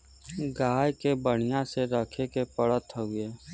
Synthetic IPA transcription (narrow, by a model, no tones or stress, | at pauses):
ɡaːjkebəɽ̤̃ɪjãseɾəkʰekepəɽət̪ʰːəɦʊeː